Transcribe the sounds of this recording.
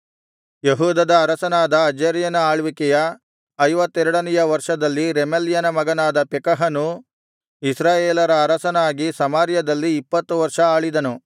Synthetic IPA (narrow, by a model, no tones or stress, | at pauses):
jeɦuːd̪ɐd̪ɐːɾɐsɐnaːd̪ɐːd͡ʒeːɾjɐnɐaːɭʋikɛjɐ | ɐjʋɐt̪ːɛɾɐɽɐnɛjɐʋɐɾʂɐd̪ɐlːiɾemeljɐnɐmɐɡɐnaːd̪ɐpɛkɐɦɐnu | isɾaːjeːlɐɾɐːɾɐsɐnaːɡisɐmaːɾjɐd̪ɐlːiːpːɐt̪ːuʋɐɾʂɐaːɭid̪ɐnu